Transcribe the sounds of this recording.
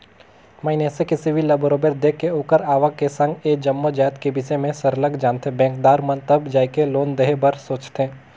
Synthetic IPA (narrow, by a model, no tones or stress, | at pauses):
maɪnesekɪsibʱilɐbəɾoːbeɾd̪eːkːeoːkəɾaːʋakesɐ̃ŋɡeːd͡ʒɐmːod͡ʒaːjt̪kebɪsemẽsəɾləɡd͡ʒaːnt̪ʰebɛ̃ːŋkd̪aːɾmɐ̃nt̪əbd͡ʒaːikeloːnd̪əɦebɐɾsoːt͡ʃt̪ẽː